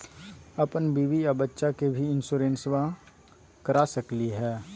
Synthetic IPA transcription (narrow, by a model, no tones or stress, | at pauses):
ɐpənbiːʋijabətːʃakebʱiɪnsuːɾẽːnswã | kəɾaːsəkliɦɛː